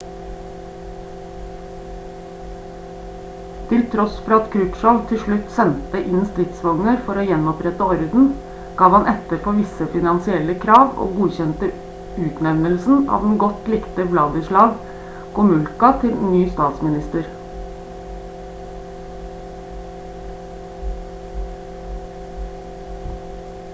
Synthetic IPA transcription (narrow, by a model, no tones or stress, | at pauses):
t̪ʰɪlt̪ʰɾɔsfɔɾɑːɑt̪kʰɾʉpʃɑlt̪ʰɪʃɭʉt̪sɛnt̪əʔɪnst̪ɾɪt̪sʋɑŋnəɾfɔɾoːjɛnɔpɾɛt̪əɔɾd̪n̩ | ɡ̥ɑːʋhɑnʔɛt̪əɾpʰoːʋɪsəfɪnɑnsɪɛləkʰɾɑːʋo̰ːɡuːçɛnt̪ə | ʉːt̪nɛʋnəlsn̩ɑ̰ːʋd̪n̩ɡɔt̪lɪkt̪əblɑːɡəʂɭɑːɡ | kʰʊmʉlkɑt̪ʰɪlnyːst̪ɑːt̪smɪnɪst̪əɾ